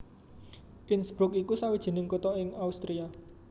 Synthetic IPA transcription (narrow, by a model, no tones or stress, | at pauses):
ʔɪnsb̥ɾʊkikusawid̥ʒ̥e̤nɪŋkut̪ɔɪŋaust̪ɾia